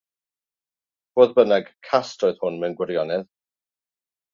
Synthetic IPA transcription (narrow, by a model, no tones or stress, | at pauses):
v̥oːðbənɛɡ̥kʰastoɨð̥hʊnmɛnɡwɪɾjɔnɛð